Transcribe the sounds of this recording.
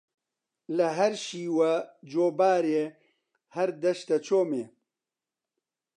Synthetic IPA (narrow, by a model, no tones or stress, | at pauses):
lɐɦɐɾʃiːwɐd͡ʒoːbaːɾeː | hɐɾd̪ɐʃt̪ɐt͡ʃʰoːmeː